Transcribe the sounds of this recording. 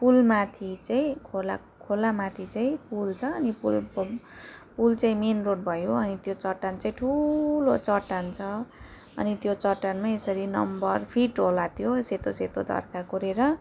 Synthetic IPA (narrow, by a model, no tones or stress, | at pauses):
pulmat̪ʰit͡saĩkʰola̰ | kʰolamat̪ʰit͡saĩpult͡sʰʌːnipul | pult͡saĩmenroʈ̚bʱʌjoʌnit̪jot͡sʌʈːant͡saĩʈʰulot͡sʌʈːant͡sʰʌ | ʌ̰nit̪jot͡sʌʈanmaesʌɾinʌ̰mbʌrpʰiʈɦolat̪ʰjoset̪oset̪od̪ʱʌ̰rkakuɾeɾʌ